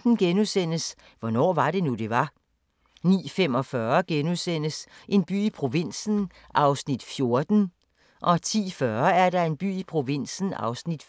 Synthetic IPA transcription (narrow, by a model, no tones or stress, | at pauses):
n̩ɡ̥enusen̰əs | ʋɒ̽nɒ̰ːʋɑ̈ɾe̝nud̥e̝ʋɑ̈ | nḭːfemɒ̽fɶɐɡ̥enusen̰əsʔe̝nb̥y̰ːipʰʁo̝ʋen̰sn̩ | ʔɑ̈ʊsnid̥fjo̝ɐd̥n̩ | ʔɒ̽t͡sʰḭːfɶɐæɐɾɑ̈e̝nb̥y̰ːipʰʁo̝ʋin̰sn̩ɑ̰̈ʊsnid̥